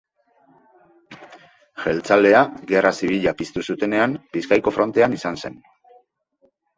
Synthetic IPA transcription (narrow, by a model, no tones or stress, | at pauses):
ʝe̞lt͡sald̪e̞aɡerʔasiβ̞iʎapist̪usut̪e̞ne̞ambiskajko̞fɾo̞nt̪e̞anisanse̞n